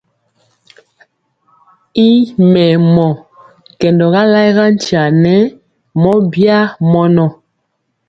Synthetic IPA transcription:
i˦mɛ˨mɔ˨ | kɛ˨ndɔ˨ɣa˦la˦jɣa˦n˦ti˨a˨nɛ˦ | mɔ˦bja˦mɔ˦nɔ˨

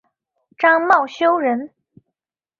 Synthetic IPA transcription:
ʈ͡ʂɑ˥ŋmɑ˥˩ʊɕjo˥ʊɻə˧˥n

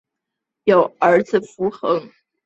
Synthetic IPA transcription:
jo˨˩ʊə˧˥d͡zɹ̩˨˩fu˧˥xɤ˧˥ŋ

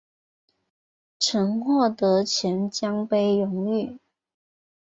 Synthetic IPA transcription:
ʈ͡ʂʰə˧˥nxwɔ˥˩t̪ɤ˧˥t͡ɕʰjɛ˧˥nt͡ɕjɑ˥ŋpe˥ɪjʊ˧˥ŋy˥˩

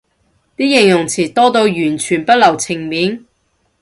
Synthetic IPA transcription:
t̪iː˥jɪ˨˩ŋjʊ˨˩ŋt͡sʰiː˨˩t̪ɔː˥t̪o˧wjyː˨˩nt͡ʃʰyː˨˩npɐ˥t̚lɐ˨˩wt͡sʰɪ˨˩ŋmiː˨˥n

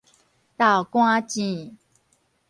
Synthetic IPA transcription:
t̪a˥˨ʊkwã˥˦t͡ɕĩ˥˧˩

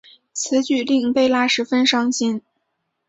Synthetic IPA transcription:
t͡sʰɹ̩˧˥t͡ɕy˥˩t̪i˥˧˩ŋpe˥˩ɪla˥ʂɻ̩˧˥fə˥nʂɑ˥ŋɕi˥n

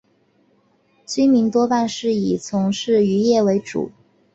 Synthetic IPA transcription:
t͡ɕi˥mi˧˥ŋt̪wɔ˥pa˥˧nʂɻ̩˥˩i˨˩t͡sʰʊ˧˥ŋʂɻ̩˥˩y˧˥jɛ˥˩we˧˥ɪʈ͡ʂṵ˨˩˦

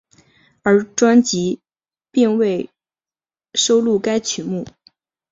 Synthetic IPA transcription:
ə˞˧˥ʈ͡ʂwa˥nt͡ɕi˧˥ | pi˥˧ŋwe˥˩ɪ | ʂo˥ʊlu˥˩ka˥ɪt͡ɕʰy˨˩˦mu˥˩

